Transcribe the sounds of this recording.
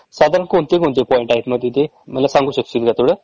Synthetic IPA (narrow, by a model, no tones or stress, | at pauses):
sad̪aɾənkont̪ekõnt̪epɔẽɳʈajʈməd̪it̪e | mət̪lasãŋɡuːɕəkt͡ʃit̪ɡat̪uɽe